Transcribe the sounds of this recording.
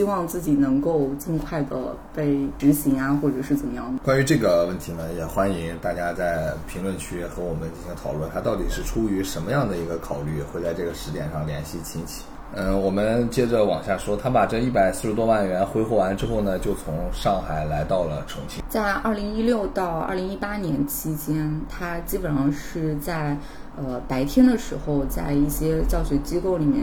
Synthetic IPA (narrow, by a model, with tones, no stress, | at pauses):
ɕi˥wɑ˥˧ŋt͡sɹ̩˥˩t͡ɕi˨˩nɤ˧˥ŋko˥˧ʊt͡sə˥˧kʰwa˥˩ɪd̪ə̰˩ | pe˥˩ɪʈ͡ʂ̩˧˥ɕi˧˥ŋa˧xwɔ˥˩ʈ͡ʂɤ˨˩ʂɻ̩˥˩t͡sə˨˩mə˦jɑ̰˥˩ŋd̪ə˩kwa˥ny˧˥ʈ͡ʂɤ˥˩ɡə˩wə˥˩nt̪ʰi˧˥nə˧jɛ˨˩xwa˥ni˧˥ŋt̪a˥˩t͡ɕja˥t͡sa˥˩ɪpʰi˧˥ŋlwə˥˩nt͡ɕʰy˥xɤ˧˥wɔ˨˩mə˦nt͡ɕi˥˧nɕʰi˧˥ŋt̪ʰɑ˨˩ʊwə˥˩nt̪ʰa˥t̪ɑ˥˩ʊt̪i˨˩ʂɻ̩˥˩ʈ͡ʂʰu˥y˧˥ʂə˧˥nmə˧jɑ˥˩ŋd̪ə˩i˧˥ɡə˧kʰɑ˨˩ʊly˥˩xwe˥˧ɪt͡sa˥˧ɪʈ͡ʂɤ˥˩ɡə˩ʂɻ̩˧˥t̪jɛ˨˩nʂɑ˥˩ŋljɛ˧˥nɕi˥˩t͡ɕʰi˧˥nt͡ɕʰi̥˨˩˦ | n̩˥˩wɔ˨˩mə˦nt͡ɕjɛ˥ʈ͡ʂə˨wɑ˨˩ŋɕja˥˩ʂwɔ˥t̪ʰa˥pa˨˩ʈ͡ʂə˥˧i˥˩pa˨ɪsɹ̩˥˩ʂɻ̩˧t̪wɔ˥wa˥˩nɥɛ˧˥nxwe˧˥ɪxwɔ˥˩wa˧˥nʈ͡ʂɻ̩˥xo˥˩ʊnə˩t͡ɕjo˥˩ʊt͡sʰʊ˧˥ŋʂɑ˥˩ŋxa˨˩ɪla˧˥ɪt̪ɑ˥˩ʊlə̰˩ʈ͡ʂʰɤ˧˥ŋt͡ɕʰi˥t͡sa˥˧ɪʔɐ˞˥˩li˧˥ŋi˥ljo˥˧ʊt̪ɑ˥˧ʊɐ̰˥˩li˧˥ŋi˥pa˥njɛ˧˥nt͡ɕʰi˥t͡ɕjɛ˥nt̪ʰa˥t͡ɕi˥pə˨˩nʂɑ˥˧ŋʂɻ̩˥˧t͡sa˥˩ɪ | ə˧pa˧˥ɪt̪ʰjɛ˥nd̪ə˨ʂɻ̩˧˥xo˧ʊt͡sa˥˧ɪi˥˩ɕjɛ˥t͡ɕjɑ˥˩ʊɕɥɛ˧˥t͡ɕi˥ko˥˩ʊli˨˩mjɛ̰˥˩n